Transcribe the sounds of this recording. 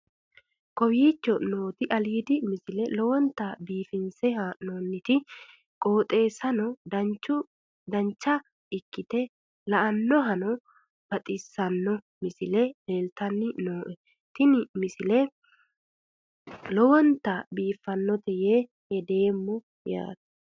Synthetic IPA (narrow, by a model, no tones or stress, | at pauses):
kɔbiːt͡ʃːɔno̞ːt̪ɪʔɐliːd̪ɪmɪsɪlɛlɔwɔnt̪ːɐbiːfɪnsɛhɐnoːnːɪt̪ɪ | kʼoːt̪ʼe̞ːsɐnɔd̪ɐt͡ʃːʊ | d̪ɐɲt͡ʃːɐ | ɪkːɪt̪ɛ | lɐʔɐnːɔɦɐnɔ | b̥ɐt̪ʼɪsːɐnːɔ | mɪsɪlɛle̞ːlt̪ɐnːɪnoːʔɛ | t̪ɪnɪmɪsɪlɛ | lɔwɔnt̪ɐbiːfːɐnːɔt̪ɛjeː | hɛd̪e̞ːmːɔ | ja̰ːt̪ɐ̥